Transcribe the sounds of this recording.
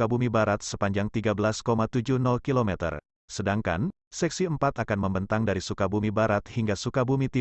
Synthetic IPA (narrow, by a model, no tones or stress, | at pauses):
abumibaɾat̪̚səpaɲd͡ʒaŋt̪iɡabəlaskomat̪ud͡ʒuhnɔlkilomɛt̪ə̰r | sədaŋka̰n | sɛk̚siəmpat̪akanməmbənt̪aŋdaɾisukabumibaɾat̪̚hiŋɡasukabumit̪i